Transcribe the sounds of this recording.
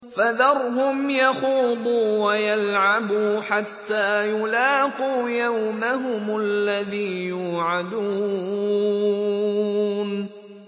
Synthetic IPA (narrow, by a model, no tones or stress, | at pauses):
faðɑɾˤɦʊmjɑxuːb̪ˤuːwajalʕabuːħat̪ːaːjʊlɑːquːjawmaɦʊmalːaðiːjuːʕad̪uː | n